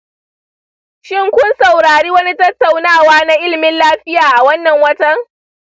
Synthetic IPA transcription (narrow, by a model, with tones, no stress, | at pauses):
ʃɪ˦˨ŋkʷʊ˦nsɐ˨wɾaː˨ɾiː˦wɐ˦ni˦tɐ˦tːa˨wnaː˦˨waː˦na˦ʔɪ˦lmɪ˦nlaː˦ɸɪ˦jaː˨ʔa˨wɐ˦nːɐ˨ŋwɐ˦tɐ˦ŋ